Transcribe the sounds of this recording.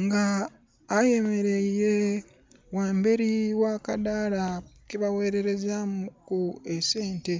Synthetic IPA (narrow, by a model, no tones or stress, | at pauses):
ŋɡaː | je̞me̞ɾeje | waːmbeɾiwaːkadala | kiβawe̞ːɾe̞ɾe̞zamukːuese̞ːnte̞